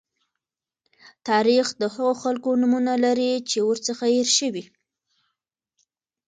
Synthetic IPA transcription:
t̪ɑɾixd̪əhaɣoxalkonumunalaɾit͡ʃewoɾt͡səxajeɾʃəwi

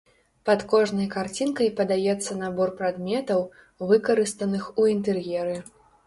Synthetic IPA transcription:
pɐt̪kɔʐnɐjkart͡sʲinkɐjpɐd̪ajɛt̪sːɐnabɔrpɾad̪mʲɛt̪ɐw | vɨkɐɾɨst̪ɐnɨxuint̪ɛrjɛɾɨ

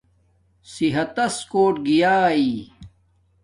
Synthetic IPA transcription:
siɦɐt̪ɐskoːʈ̚ɡijaːi

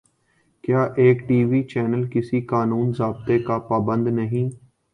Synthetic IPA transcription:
kjaːʔeːkʈiːʋiːt͡ʃɛːnəlkɪsiːkaːnuːnzaːb̚t̪eːkaːpaːbə̃nd̪nəɦĩː

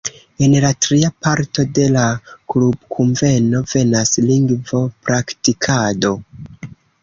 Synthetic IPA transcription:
e̞nlatɾiapaɾto̞de̞laklub̚kʰuɱve̞no̞ve̞nasliŋɡvo̞pɾaktikʰado̞

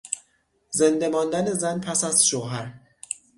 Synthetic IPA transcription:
ze̞nd̪e̞mɒːnd̪æne̞zænpʰæsæz̥ʃoːɦæɾ

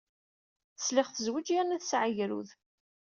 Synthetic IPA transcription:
θəslɪχθəzwəd͡ʒjænæðsʕəjɾṵð

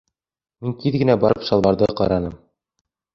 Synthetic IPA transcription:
miŋkiðɡɘ̆næbɑɾɤpʃɑlˠβɑɾðɤqɑ̰ɾɑnɤm

